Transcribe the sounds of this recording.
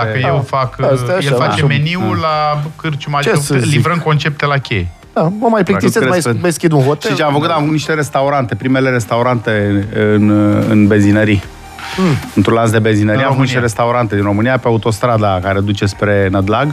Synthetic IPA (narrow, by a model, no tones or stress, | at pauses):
d̪akəjewfakjefat͡ʃemeniulakɨrt͡ʃumat͡ʃeolivɾəŋko̞nt͡ʃe̞p̚t̪elakʲḛj | d̪̥aməmajplikt̪semajmajskʲind̪unxotʃeit͡ʃeamfəkut̪akumniʃt̪e̞ɾe̞st̪auɾant̪e̞pɾime̞le̞ɾe̞st̪auɾant̪e̞ɨnɨ̰nbe̞zinəɾi | ɨnt̪ɾũnlans̬d̪e̞be̞zinəɾiaumniʃt̪eɾest̪auɾant̪e̞d̪inɾo̞mɨnijapeaut̪o̞st̪ɾad̪akaɾe̞d̪ut͡ʃe̞spɾe̞nəd̪laɡ